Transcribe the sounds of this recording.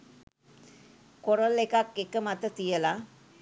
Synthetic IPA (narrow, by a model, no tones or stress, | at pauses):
koɾolekakːekəmat̪ət̪ijəla